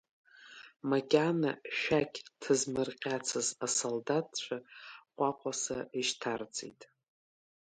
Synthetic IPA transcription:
maɡʲanaʃᶣakʲtʰɨzmɨrqʲʼat͡sʰɨzasoldat̚ʰʼt͡ʃʷʰaqʷʼaqʷʼasaiʃtʰard͡zʼḭjtʼ

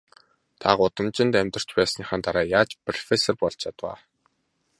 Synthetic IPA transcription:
t̪ʰaɢʊt̪ə̆mt͡ɕɪ̆nt̪æmʲt̪ə̆r̥t͡ɕpæːsə̆naχaːnt̪aɾaːjaːt͡ɕpʰrɔfesɔrpɔɬt͡ɕt͡ɕʰat̪wa̰ː

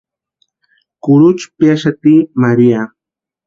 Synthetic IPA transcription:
kʊɾʊt͡ʃpjaʃat̪iːmaɾia

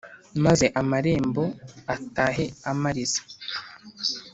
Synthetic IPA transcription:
maze̞ʔamaɾe̞ːmbo̞ataːɦe̞amaɾiz̥ḁ

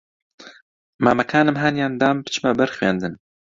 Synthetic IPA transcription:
maːmɛkʰaːnɨmɦaːnjaːnd̪aːmbɨ̥t͡ʃʰɨmabɐɾxweːnd̪ɨn

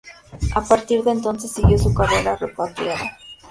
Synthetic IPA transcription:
apaɾt̪iɾðe̞nt̪o̞nse̞sːiɣjo̞sukareɾarepat̪ɾjaða

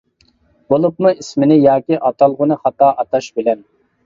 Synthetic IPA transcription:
bolˠup̚muismɪnɪjɑːkʲiʔɑt̪ɑlˠʁʊnɨχɑt̪ɑːʔɑt̪ɑʃbɪlɛn

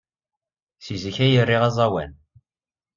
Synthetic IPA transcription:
sizəçæjərːiʁɑzˤɑwæ̰n

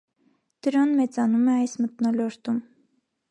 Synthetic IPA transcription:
d̪̥əɾɑnmɛt͡sɑnumɛɑjsmət̪nɔlɔɾt̪um

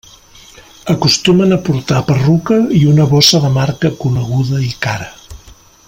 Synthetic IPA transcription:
əkust̪umənəpuɾt̪apərukəiunəβɔsəðəmaɾkəkunəɣ̞uðəikaɾə

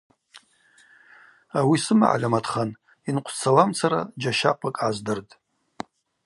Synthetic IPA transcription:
awisɨma̰ʕa̰lʲamatʰχan | inqʷʰt͡sʰalamt͡sʰaɾa̰d͡ʒaʃaqʷʰakʼʕazdɨrtʼ

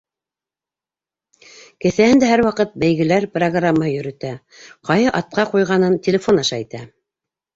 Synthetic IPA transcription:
kɘ̆θæhɘnd̪æhæɾwɑqɤt̪̚bæjɣɘ̆læɾproɡramːahɤjɵ̆ɾɵ̆t̪æ | qɑjɤʔɑt̪̚qɑqujʁɑnɤntʲelʲɪfo̞nɑʃɑit̪æ

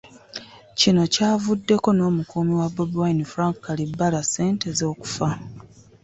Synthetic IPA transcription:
cino̞caːvudːe̞ko̞no̞ːmukuːmiwabubuwainifɾaŋkːalibːalase̞ːntezo̞ːku̥fa

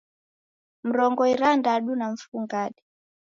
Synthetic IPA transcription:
m̩ɾɔŋɡɔiɾandaɗunaɱ̩fuŋɡaɗɛ

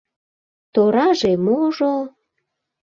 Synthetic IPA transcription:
t̪oɾɑʒemoʒo

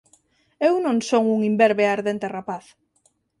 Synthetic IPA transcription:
ewnõŋsoŋuŋimbeɾβeaɾðent̪erapaθ

